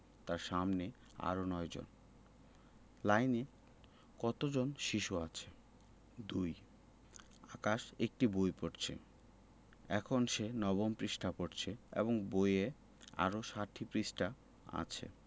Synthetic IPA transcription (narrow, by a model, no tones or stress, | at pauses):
t̪aɾʃamne | a̰ɾonɔed͡ʑo̰n | lajne | kɔt̪od͡ʑonʃiʃuat͡ɕʰe | d̪uj | akaʃek̚ʈibojpoʈt͡ɕʰḛ | ɛkʰonʃenɔβompɾiʃʈʰapoʈt͡ɕʰeḛboŋboje | a̰ɾoʃaʈʰːipɾisʈa | a̰t͡ɕʰḛ